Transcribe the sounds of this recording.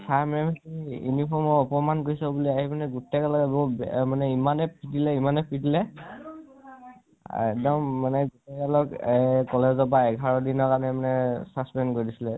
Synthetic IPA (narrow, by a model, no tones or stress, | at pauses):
sʰamɛmanijṵnipʰɔɹmɔɔpɔmankoɹisɔbuliaɦimanɛɡutɛkɛlɔkbɔbɛmanɛimanɛpʰidilɛimanɛpʰidilɛ | ɛ̰k̚dɔmːanɛɡutɛkɛlɔkkɔlɛzɔbaɛɡʱaɹɔdinɔkanɛmanɛsaspɛnkoɹidisilɛ